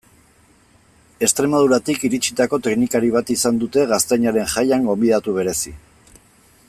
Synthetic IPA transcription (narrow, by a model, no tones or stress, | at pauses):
e̞st̪ɾe̞maðuɾat̪ikiɾit͡ʃit̪ako̞t̪e̞knikaɾiβ̞at̪isand̪ut̪e̞ɣast̪ejɲaɾe̞ŋʝajaŋɡo̞mbiðat̪uβ̞e̞ɾe̞si